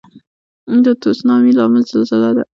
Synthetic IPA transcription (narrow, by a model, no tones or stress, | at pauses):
d̪ət̪osnɑmilɑmɪlzəlzəlad̪a̰